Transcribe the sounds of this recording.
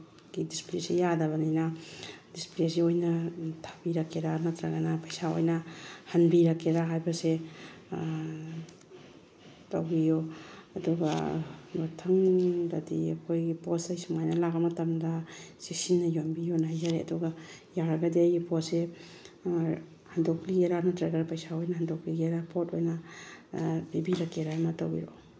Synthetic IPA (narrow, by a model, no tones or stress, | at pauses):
ɡidisplesijadɐβɐninadisplesiojnɐtʰabiɾɐkːedanɐtɾaɡɐnapʰajsao̰jnɐhanbiɾɐkːedaɦajbɐse | tawbijoɐduɡa̰notʰɐŋdadiɐ̰kʰojɡipɔsajsimajnɐlaɡɐmɐtɐmdasiksinːɐjombijonajzaɾeɐ̰duɡa | jaɾɐɡɐdiajɡipɔse | handokliɡeɾanatɾeɡɐɾpajsaojnahandokliɡeɾapʰotojna | bibiɾɐkːeɾamatawbḭɾo